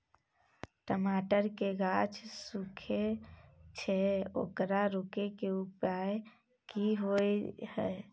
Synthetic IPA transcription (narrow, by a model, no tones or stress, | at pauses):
ʈəmaːʈəɾkeɡat͡ʃʰsukʰet͡ʃʰɛo̰ːkɾaɾokekeupaj | kiɦoehɛ